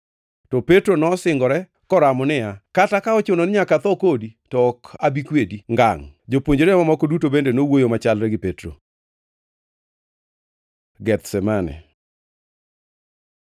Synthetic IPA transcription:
tɔpetɾonɔsɪŋɡɔɾɛ | kɔɾamɔnɪjakatakaɔt͡ʃʊnonɪɲakat̪ɔkoditɔɔkabikwediŋɡa̰ŋd͡ʒopwoɲd͡ʒoɾɛmamɔkɔdutobendenowojomat͡ʃalɾɛɡɪpetɾo̰ | ɡɛt̪sɛmanɛ̰

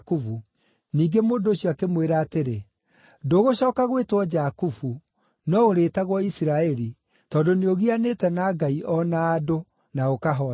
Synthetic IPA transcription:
kufu | niːŋɡemoːndoːɕjɔakemweɾaːteɾe | doːɣoɕɔːkaɣwetwɔd͡ʒakufu | nɔoɾeːtaɣwɔisiɾaɛɾi | tɔːndoneoɣianeːtɛnaɡaiʔɔnaːdo | naokaɦɔ

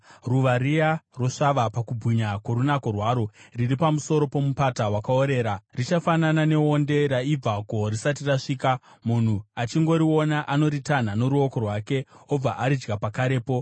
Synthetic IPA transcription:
ruʋaɾijaro̞ʂaʋapakubʱiɲakwo̞ɾunako̞rwaːɾo̞riripamuso̞ɾo̞po̞mupatawakao̞ɾe̞ːɾarit͡ʃafananane̞onde̞ɾaib͡vako̞risat̬iraʂiːkamun̤uat͡ʃiŋɡo̞ɾio̞naʔano̞ɾitan̤ano̞ɾuo̞ko̞rwaːke̞o̞b͡vaʔaɾid͡ʒɡapakaɾe̞ːpo̞

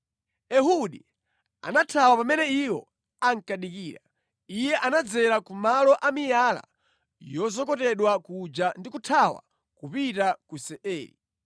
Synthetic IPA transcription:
ɛɦuɗi | a̰natʰawapamɛnɛiwɔ̰ | aŋkaɗikiːɾa̰ | ijɛʔanad͡zɛɾakumalɔʔamijaːla̰ | jɔzɔkɔtɛɗwakud͡ʒandikutʰawa̰ | kupitakusɛʔɛ̰ːlḭ

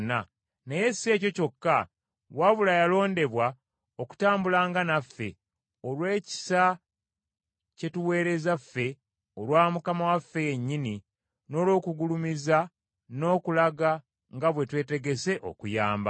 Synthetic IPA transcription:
nːa | neje̞se̞ːco̞co̞kːa | waβulajalo̞ːnde̞βwa | oku̥taːmbulaːŋɡanafːe̞̰ | o̞lwe̞ːci̥sa | ce̞tuwe̞ːɾe̞zafːe̞ | o̞lwaːmukamawafːe̞jeɲːini | no̞ːlo̞ːkuɡulumiza | no̞ːkulaɡa | ŋɡaβwe̞twe̞ːte̞ɡe̞se̞ʔo̞̰kujaːmba

